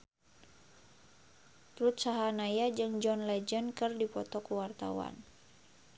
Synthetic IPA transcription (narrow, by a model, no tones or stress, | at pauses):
t̪ɾut̪̚saɦanajad͡ʒɨŋd͡ʒɔnlɛd͡ʒənkɨrdipɔ̰t̪ɔkuwart̪a̰wa̰n